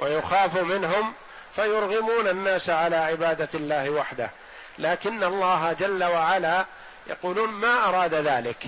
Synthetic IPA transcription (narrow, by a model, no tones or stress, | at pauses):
wʔajʊxaːfumɪnɦʊm | fajʊɾɣɪmuːnanːaːsʕalaːʕɪbaːd̪alːaːhwaħd̪a̰h | laːkɪnːalˤːɑːɦad͡ʒalːawaʕalaː | jɑ̰quːluːnmaːʔɑɾˤɑːd̪aðaːlɪk